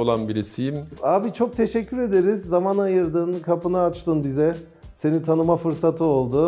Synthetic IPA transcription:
olˠanbiɾisijimaːbit͡ʃʰo̞k̚t̪ʰe̞ʃɛcːyɾe̞d̪e̞ɾizːamanajɯɾd̪ɯnkʰapɯnaːt͡ʃt̪ʰɯnbizɛ | se̞nit̪ʰanɯmafɯɾsat̪ʰɯo̞lˠd̪ʊ

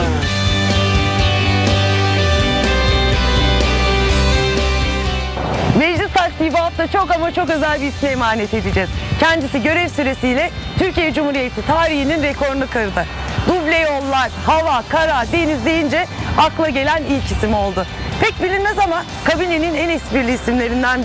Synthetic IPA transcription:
mɛd͡ʒlʲisaɾsiːvaft̪ʰat͡ʃʰo̞kamat͡ʃʰo̞k̬ø̞zælʲbiːsmɛːmaːne̞t̪ʰe̞d̪id͡ʒɛz̥cʰænd̪isiɟø̞ɾɛvsyɾe̞sijlʲɛt̪ʰyɾcijɛd͡ʒumhuɾijet̪ʰit̪ʰaːɾihininɾɛkʰo̞ɾnˠukʰaɾɯd̪ɯ | d̪ublʲejo̞lˠːaɾhavakʰaɾad̪e̞nizlʲe̞jind͡ʒɛaklˠaɟe̞lʲænilʲcʰisimo̞lˠd̪ʊpʰɛc̚bilʲinmɛzama | kʰabine̞ninɛnɛsbiɾlʲiːsimlʲe̞ɾind̪æn

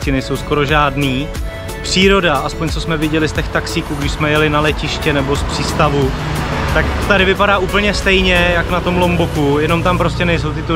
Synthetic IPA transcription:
cɪnɛjso̞wsko̞ɾo̞ʒaːdniː | pr̝̥iːɾo̞daʔaspo̞ɲt͡sosmɛvɪɟɛlɪst̪ɛxt̪aksiːkuːɡdɪʃsmɛjɛlɪnalɛcɪʃcɛnɛbo̞spr̝̥iːst̪avut̪akt̪adɪvɪpadaːʔuːpl̩ɲɛst̪ɛjɲɛjaknat̪o̞mlo̞mbokujɛno̞mt̪ampɾo̞scɛnɛjs̬o̞wt̪ɪt̪o

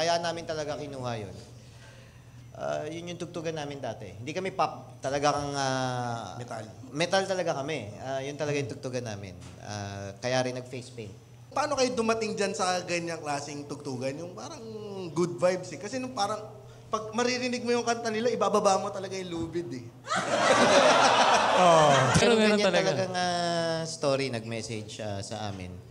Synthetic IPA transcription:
kɐjaːʔɐnːaːmɪnt̪ɐlɐɡakɪnuːhɐjo̰n | ʔa̰jʊnjʊŋt̪ʊɡ̚t̪uːɡɐnːaːmɪnd̪aːt̪ɛ̰hɪnd̪iːkɐmɛpap̚ | t̪ɐlɐɡakɐŋaɛt̪almɛt̪alt̪ɐlɐɡakɐmɛajʊnt̪ɐlɐɡajʊŋt̪ʊɡ̚t̪uːɡɐnːa̰ːmɪ̰n | ʔa̰kɐjaːɾɪnːɐɡ̚fejspejn | pɐaːno̞kɐjod̪ʊmɐt̪ɪŋd͡ʒɐnsɐɡɐɲːɐŋklaːsɪŋt̪ʊɡ̚t̪uːɡɐnjʊŋpaːɾɐŋɡud̪̚vajbsɛkɐsɛnʊŋpaːɾɐŋ | pɐɡ̚mɐɾɪɾɪnɪɡ̚mojʊŋkɐnt̪ɐnɪlaʔɪbaːbɐbaːʔmot̪ɐlɐɡajluːbɪd̪ɛ | opɛɾoɡɐɡɐɲaɐɐlɐɡaŋaːst̪oːɾinɐɡ̚mɛːsɛd͡ʒɐsɐ̰ʔa̰ːmɪ̰n

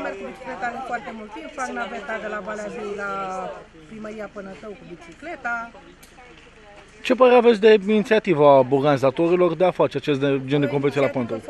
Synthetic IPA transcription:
merkubit͡ʃi̥klet̪aɾɨnfoart̪emult̪ːimpfaknavet̪ad̪elavaleavijla | pɾiməɾijapɨnət̪əwkubit͡ʃikle̞t̪a | t͡ʃe̞pəɾeavesʲd̪e̞init̪siat̪ivəaurɡanizat̪o̞ɾilo̞rd̪e̞afat͡ʃeat͡ʃe̞st̪d̪ed͡ʒed̪ekomp̬et̪sielapant̪ow

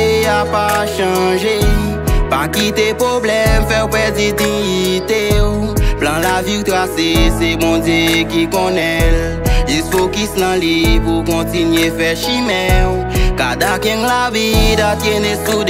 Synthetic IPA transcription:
apaʃɑ̃ʒe | pakit̪epʁoblɛmfɛpezidĩit̪eplãlaviwt̪ʁasesebɔ̃d̪jekikɔ̃nɛl | isokisnãlipukɔ̃tinɥefɛʃimɛw | kad̪akɛ̃ŋlavid̪atjenesud

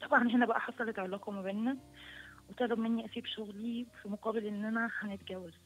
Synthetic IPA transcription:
t̪ˤɑbʕɑnɦenæbæʔæħɑsˤɑlet̪ʕalæːkomæbeːnːæ | wet̪ˤɑːlɑbmenːiʔæsiːbʃoɣlifimoqɑːbelʔenːʔænæħænet̪̚ɡæwːæl

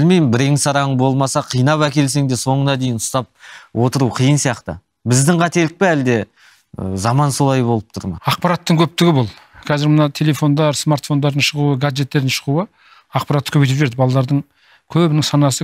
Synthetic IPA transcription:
bɪlmejmɪmbɪɾeŋsɑɾɑəɴbo̞lˠmɑsɑqʰijnɑpækʲe̞ls̬e̞ŋd̪eso̞ɴənɑd̪e̞jɪnʊ̥st̪ɑp̚wo̞t̪əɾuqʰəjənsijɑqt̪ə̰ | bɪzd̪ɪŋqʰɑt̪e̞lɪk̚peæld̪e̞ | zɑmɑnso̞lˠɑjbo̞lˠəp̚t̪ʰʊɾmɑ̰ɑq̚pɑɾɑt̪ːəŋkʲʰɵp̚t̪ɪɡʲɪbʊlˠ | qʰɑzɪɾmənɑt̪ʰe̞le̞fo̞nd̪ɑɾsmart̪fo̞nd̪ɑɾd̪ənʃəʁuəɡad͡ʒʒe̞t̪ːe̞ɾd̪ɪnʃəʁuə | ɑqpɑɾat̪ːə̥kʰʲɵbet̪pʒe̞ɾd̪ɪbɑlˠɑd̪ɑɾd̪əɴ | kʲʰɵbɪnɪŋsɑnɑsə

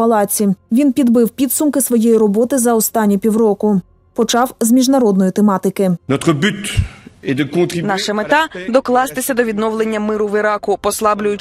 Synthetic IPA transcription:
ɐlˠɑt͡sʲiʋʲinpʲid̪bɪwpʲid̪sʊmkɪsʋɔjejiɾɔbɔt̪ɪzɐɔst̪ɑnʲːipʲiwrɔkʊ | pɔt͡ʃɑwzmʲiʒnɐɾɔd̪nɔjit̪emɑt̪ɪkɪnɔt̪χəbyt̪ɛd̪əkɔ̃t̪χinɑʃɛmet̪ɑd̪ɔklˠɑst̪ɪsʲɐd̪ɔʋʲid̪nɔwlˠenʲːɐmɪɾʊʋɪɾɑkʊpɔslˠɑblʲʊjʊt͡ʃ

